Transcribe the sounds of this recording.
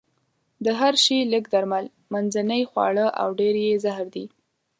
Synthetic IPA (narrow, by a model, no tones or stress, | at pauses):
d̪əɦaɾʃiləkd̪aɾmal | manzanəjxwɑ̰ɽəʔa̰wɖeɾjezahɾd̪i